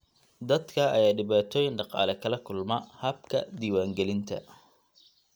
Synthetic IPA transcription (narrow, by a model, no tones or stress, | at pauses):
d̪ɐd̪kʰɐɐjaːɖɪβaːt̪ʰɔːjɪnɖɑqɑ̰ːlɛkʰɐlɐkʰʊlmɐhɐb̚kʰɐd̪iːwaːŋɡɛlɪnt̪ʰɐ̰